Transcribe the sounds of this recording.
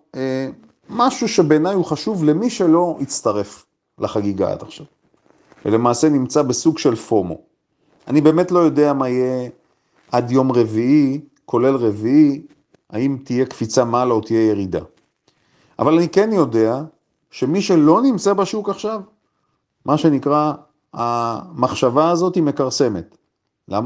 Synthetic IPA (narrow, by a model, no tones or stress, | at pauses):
e | maʃuʃe̞beːnajhuχaʃuvle̞miʃe̞lo̞it͡st̪aʁe̞f | laχaɡiɡa̰a̰d̪aχʃav | vḛle̞maːsenimt͡sabesuɡʃe̞lfo̞mo̞̰ | anibe̞ːmetlo̞jo̞de̞amaije | ʔad̪jo̞mʁe̞vii | kʰo̞le̞lʁevii | aimt̪ije̞kfit͡samalaot̪ijeje̞ʁid̪a̰ | ʔa̰valanike̞njo̞de̞a | ʃe̞miʃe̞lo̞nimt͡sabaʃukaχʃav | maʃe̞nikʁa | amaχʃavaːzo̞thimekaʁse̞me̞t̪ | lama